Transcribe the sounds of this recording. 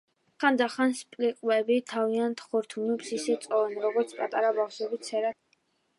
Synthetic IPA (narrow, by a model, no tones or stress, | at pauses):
χand̪aχanspʼliqʼwɛbit̪ʰaviant̪ʰχɔɾt̪ʰumɛpsisɛt̪sʼɔvɛnɾɔɡɔɾt̪sʰpʼat̪ʼaɾabafʃɛbit̪sʰɛɾa